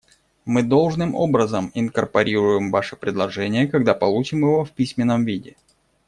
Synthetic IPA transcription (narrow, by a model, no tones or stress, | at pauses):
mɨd̪o̞lˠʐnɨmʔo̞̰bɾəzəmɪnkərpɐɾʲiɾʊjɪmvaʂɨpɾʲɪd̪lˠɐʐɛnʲɪjəkɐɡd̪apɐlˠut͡ɕɪmɪvo̞fpʲisʲmʲɪnːəmvʲidʲɪ